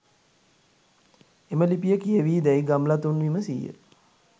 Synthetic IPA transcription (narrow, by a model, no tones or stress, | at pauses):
eməlipijəkijəʋiːd̪ɛjɡamlat̪unʋiməsijə̰